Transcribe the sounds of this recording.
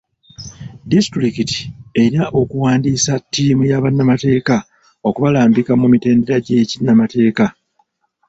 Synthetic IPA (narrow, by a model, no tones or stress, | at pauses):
distɾikiti̥e̞ɾiaʔo̞kuwaːndiːsatːiːmujaβanːamate̞ːka | o̞kuβalaːmbikamumite̞ːnde̞ɾaɟecinːamate̞ːka